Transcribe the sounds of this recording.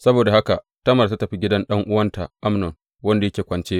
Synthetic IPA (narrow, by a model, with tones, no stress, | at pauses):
sɐ˦boː˨da˨ha˦ka˨ʔ | tɐ˦mɐ˨rta˦tɐ˨ɸi˦ɡʲɪ˦dɐ˦nɗɐ˦ŋʔʊ˦wɐ˦nta˨ʔa˦mnɔ˨ŋ | wɐ˦nda˨jɐ˦kʲeː˨kʷɐ˨nt͡ʃeː˦